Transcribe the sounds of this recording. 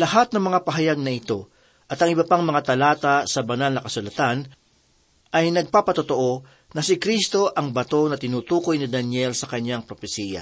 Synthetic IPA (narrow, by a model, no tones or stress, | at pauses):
lɐhat̪̚nɐŋmɐŋapɐɦɐjaɡ̚nɐɪt̪o̞ | ʔɐt̪ɐŋʔɪbɐpaŋmɐŋat̪ɐlaːt̪asɐbɐnalnɐkɐsʊlɐt̪an | ʔɐjnɐɡ̚paːpɐt̪ot̪o̞ʔo̞ | nɐsɪkɾist̪o̞ʔɐŋbɐt̪o̞nɐt̪ɪnuːt̪uːko̞jnɪd̪ɐnjɛlsɐkɐɲjaŋpɾofɛsiːjɐ̰